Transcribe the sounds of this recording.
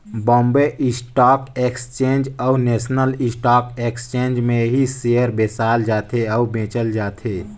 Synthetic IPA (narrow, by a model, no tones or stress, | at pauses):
bɔ̃ːmbeʔɪsʈaːkeːkst͡ʃẽːnd͡ʒɔuneːsnəlɪsʈaːkeːkst͡ʃẽːnd͡ʒmẽɦiseəɾbeːsaːld͡ʒaːt̪ʰeɔubẽːt͡ʃəld͡ʒaːt̪ʰeː